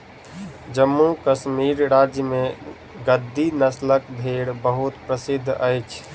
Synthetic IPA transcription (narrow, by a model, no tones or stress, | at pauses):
d͡ʒəmːukəʃmiːɾɾaːd͡ʒjəmẽ | ɡəd̪ʱːinəslək̚b̪ʱeːɽbəɦʊt̪pɾəsɪd̪ʱːəjt͡ʃʰ